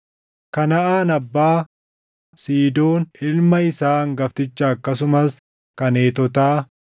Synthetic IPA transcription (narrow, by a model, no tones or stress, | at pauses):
kɐnɐʔaːnɐbːaː | siːd̪o̞ːnɪlmɐɪsaːŋɡɐft̪ɪt͡ʃːɐːkːɐs̬ʊmɐs | kɐne̞ːt̪ɔt̪aː